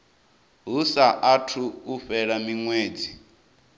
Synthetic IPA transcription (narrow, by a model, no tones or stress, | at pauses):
ɦusaʔatʰuuɸɛɺamiŋweːd͡zi